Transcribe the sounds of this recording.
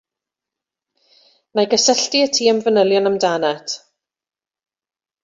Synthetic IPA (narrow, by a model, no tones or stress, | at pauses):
majɡəsəɬtiətʰiːəmvənəlˠjɔnəmdanɛtʰ